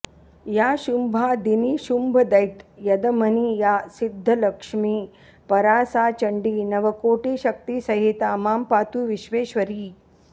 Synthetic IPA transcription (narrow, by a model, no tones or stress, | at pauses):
jaːʃumbʱaːd̪iniːʃumbʱɐd̪ɐjt̪jɐd̪ɐmɐniːjaːsid̪ʱːɐlɐkʂmiː | pɐɾaːsaːt͡ʃɐɳɖiːnɐʋɐkoːʈiːʃɐk̚t̪iːsɐɦit̪aːmaːmpaːt̪uːʋiʃʋeːʃʋɐɾiː